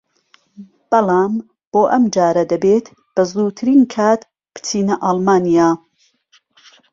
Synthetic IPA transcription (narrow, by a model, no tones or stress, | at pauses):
b̥ɐlˠaːm | b̥oːʔɐmd͡ʒaːɾɐd̪ɐbet̪ | b̥ɐzuːɾt̪ʰɨɾiːnkʰaːt̪ | pɨ̥t͡siːnɐʔɑːlˠmaːnijaː